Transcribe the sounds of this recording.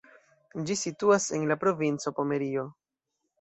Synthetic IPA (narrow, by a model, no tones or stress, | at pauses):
d͡ʒisituase̞nlapɾo̞vint͡so̞po̞me̞ɾio̞